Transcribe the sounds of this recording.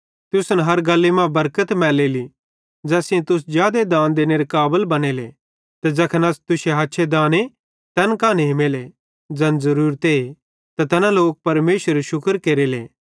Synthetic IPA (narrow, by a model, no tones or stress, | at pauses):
t̪ʊsnɦɐɾɡɐlːemãbɐɾkət̪mɛːleli | d͡ʒɛːsɪẽt̪ʊs̬d͡ʒjaːd̪ed̪ãːnd̪eːneɾekaːbəlbɐñeːlḛ | t̪ɐd͡zɐkʰənɐst̪ʊseɦaːtːʃʰed̪ãːne | t̪ɛːnkaːneɦɪmeːle | d͡zɐ̃nzɐɾuːɾt̪e | t̪at̪ɛːnaloːk̚pɐɾmeːʃəɾeʃʊkəɾkeːɾelḛː